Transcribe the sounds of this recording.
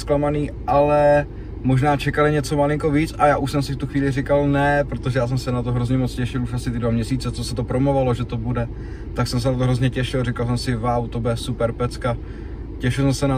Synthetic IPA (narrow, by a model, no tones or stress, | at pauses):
sklamaniːʔalɛ | mo̞ʒnaːt͡ʃɛkalɪɲɛt͡so̞malɪŋko̞viːt͡sʔajaːʔuʃsɛmsɪft̪uxviːlɪrɪkalnɛpɾot̪oʒɛjaːs̬ɛmsɛnat̪o̞ɦɾo̞zɲɛmo̞t͡scɛʃɪluʃasɪt̪ɪdvamɲɛsiːt͡sɛt͡so̞sɛt̪opɾomovalo̞ʒɛt̪o̞budɛ | t̪aksɛms̬ɛnat̪̬oɦɾo̞zɲɛcɛʃɪlrɛkals̬ɛmsɪvawt̪obɛsupɛɾpɛt͡ska | cɛʃɪlsɛmsɛna